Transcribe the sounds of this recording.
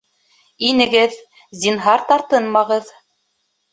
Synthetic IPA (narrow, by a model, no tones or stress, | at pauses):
inɘ̆ɡɘð | zinɦɑɾt̪ɑɾt̪ɤnmɑʁɤð